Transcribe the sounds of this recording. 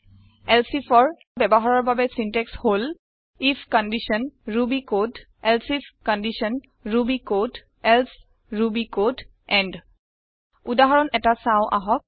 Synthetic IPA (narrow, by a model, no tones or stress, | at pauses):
ɛlsifʰɔɹ | bɛbɔɦaɹɔɹbabɛsintɛkshol | ifkɔndisɔnɹubikod | ɛlsifkɔndisɔn | ɹubikod | ɛls | ɹubikod | ɛnd | udaɦɔɹɔnɛtasaʊ̃ʔa̰ɦɔk̚